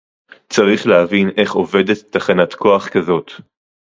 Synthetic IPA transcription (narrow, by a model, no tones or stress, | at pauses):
t͡saʁiχlehavinʔe̞χo̞ve̞det̪ːaχanatkʰo̞aχkazo̞t̪